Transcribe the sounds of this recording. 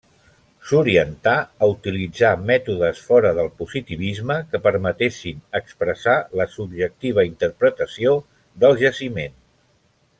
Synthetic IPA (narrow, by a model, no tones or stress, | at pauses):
suɾiənt̪aəut̪ilid͡zamɛt̪uðəsfɔɾəðəlˠpuzit̪iβ̞izməkəpəɾmət̪eʃinəkspɾəsaləsubʒək̚t̪iβ̞əint̪əɾpɾət̪əsio | d̪əlˠʒəsimen